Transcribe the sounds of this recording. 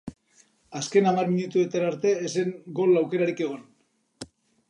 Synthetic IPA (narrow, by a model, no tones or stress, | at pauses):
aske̞namarminut̪uet̪aɾaɾt̪e̞ːseŋɡolawke̞ɾaɾike̞ɣ̞o̞n